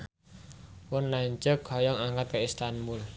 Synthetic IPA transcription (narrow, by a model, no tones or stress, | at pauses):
wʊnlaɲd͡ʒəkhɔjɔŋaŋkat̪̚kəist̪anbul